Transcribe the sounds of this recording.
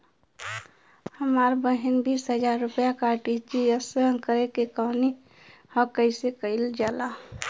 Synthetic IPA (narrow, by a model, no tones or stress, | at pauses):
həmaɾbəɦinbiːsɦəd͡ʒaːɾːʊpjakaʈit͡ʃijəsəɦə̃nkəɾekekɔːni | hɔ̃kəɪsekəild͡ʒaːla